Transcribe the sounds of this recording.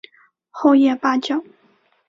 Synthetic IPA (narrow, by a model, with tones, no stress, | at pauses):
xo˥˧ʊjɛ˥˩pa˥t͡ɕjɑ˥˩ʊ